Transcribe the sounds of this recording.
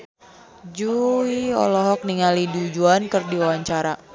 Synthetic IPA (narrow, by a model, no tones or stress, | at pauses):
d͡ʒuiɔ̰lɔɦɔk̚niŋalidud͡ʒuankɨrdiwawaɲt͡ʃaɾa